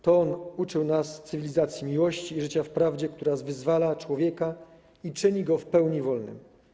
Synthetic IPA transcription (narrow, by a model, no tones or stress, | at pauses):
t̪ɔnut͡ʂɘwnast̪sɘvʲilʲizat̪sʲjimʲiwɔɕt͡ɕiːʐɘt͡ɕafpɾavd͡ʑɛk̚t̪uɾazvɘzvalat͡ʂwɔvʲjɛka | it͡ʂɘɲiɡɔfpɛwɲivɔlnɘ̰m